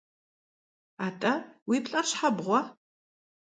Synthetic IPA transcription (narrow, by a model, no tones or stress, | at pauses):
aːtʼɐwiːpɬʼɐɕħabʁʷɔ